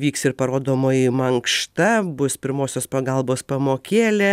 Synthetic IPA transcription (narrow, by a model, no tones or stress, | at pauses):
ʋʲiːksɪɾpɐɾoːd̪oːmoːjɪmɐŋkʃt̪ɐbʊspʲɪɾmoːsʲoːspɐɡɐlˠboːspɐmoːkʲeːlʲɛ